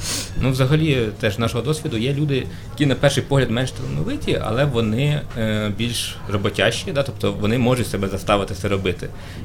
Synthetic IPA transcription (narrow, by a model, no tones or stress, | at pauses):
nuʋzɐɦɐlʲit̪ɛʒznɑʃɔɦɔd̪ɔsʲʋʲid̪ʊjɛlʲud̪ɪ | jɐkʲinɐpɛrʃɪjpɔɦlʲɐd̪mɛnʃt̪ɔlˠɐnɔʋɪtʲiʔɐ̰lˠɛʋɔnɪbʲilʲʃ | rɔbɔtʲɑʃt͡ʃʲid̪ɑt̪ɔp̚t̪ɔʋɔnɪmɔʒʊtʲsɛbɛzɐst̪ɑʋɪt̪ɪsʲɛɾɔbɪt̪ɪ̰